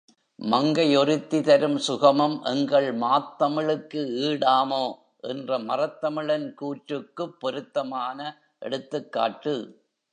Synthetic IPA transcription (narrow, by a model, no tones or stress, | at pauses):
mɐŋɡɐjɔɾɪt̪ːɪt̪ɐɾɯmsʊɣɐmɐmʔɛŋɡɐɭmaːt̪ːɐmɪɭɯkːɯiːɽaːmoː | ʔɛndrɐmɐrɐt̪ːɐmɪɭɐnkuːʈɾɯkːɯpːɔɾɯt̪ːɐmaːnɐ | ʔɛ̰ɽɯt̪ːɯkːa̰ːʈːɯ